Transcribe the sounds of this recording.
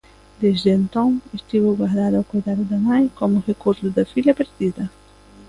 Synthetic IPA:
d̪ezd̪ẽnt̪õw̃est̪iβʊɡwaɾd̪ad̪awkojd̪ad̪ʊd̪ɐmajkomʊʁekoɾd̪ʊd̪ɐfilɐpeɾd̪id̪ɐ

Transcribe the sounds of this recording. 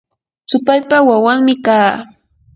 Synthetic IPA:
sʊpaʎpawawaŋmɪkaː

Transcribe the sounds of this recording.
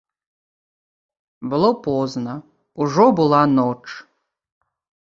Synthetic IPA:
bɨlˠopʰoznɐ | uʐobɨlˠanoʈ͡ʂʰ

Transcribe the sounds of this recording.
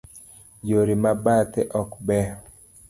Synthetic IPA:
joɾimabat̪ɛʔɔkbɛ

